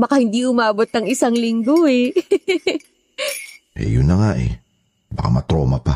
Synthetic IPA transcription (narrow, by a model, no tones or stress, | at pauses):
bɐkahɪnd̪iʔʊmaːbot̪ːɐŋɪsaŋlɪŋɡo̞ɛ | ʔɛ̰jʊnːɐŋaʔɛ̰ | bɐka̰mɐt̪ɾoːmɐpa